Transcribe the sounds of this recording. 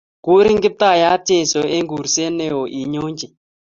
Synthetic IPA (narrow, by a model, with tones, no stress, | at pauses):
ku˦ɾi˦ŋɡɪ˦p̚t̪a˦˨ja˦te˦˨sɔ˨ʔe˦ŋɡu˨ɾse˦ne˦˨ɔ˨ʔi˨ɲo˦ɲd͡ʒi˨